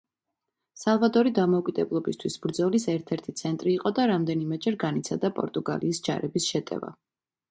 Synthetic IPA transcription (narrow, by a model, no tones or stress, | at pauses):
salˠvad̪ɔɾid̪amɔkʼid̪ɛblˠɔbist̪ʰwisbɾd̪zɔlisɛɾt̪ʰɛɾt̪ʰit̪sʰɛnt̪ʼɾiːqʼɔd̪aɾamd̪ɛnimɛd͡ʒɛɾɡanit̪sʰad̪apʼɔ̰ɾt̪ʼuɡa̰liːsd͡ʒa̰ɾɛbisʃɛt̪ʼɛ̰va̰